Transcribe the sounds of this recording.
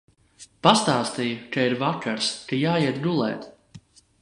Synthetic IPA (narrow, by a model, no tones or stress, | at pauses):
past̪aːst̪ijukaiɾvakʰaɾskajaːjiɛt̪ɡulˠɛ̰ːt̪